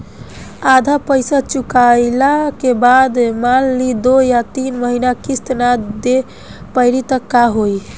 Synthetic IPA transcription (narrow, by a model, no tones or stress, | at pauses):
ad̪ʱapəɪsat͡ʃukajlakebad̪malːid̪ojat̪inməɦinakist̪nad̪e | pəɪɾit̪əkːaɦoj